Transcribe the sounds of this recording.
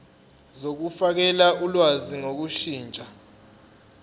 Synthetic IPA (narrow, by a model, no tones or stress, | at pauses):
zok̬ufak̬ɛlaʔulwaziŋok̬uʃiːnt͡ʃʼa